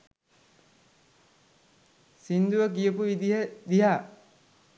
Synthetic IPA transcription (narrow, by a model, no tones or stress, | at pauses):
sind̪uʋək̬ijəpuʋid̪iɦəd̪iɦaː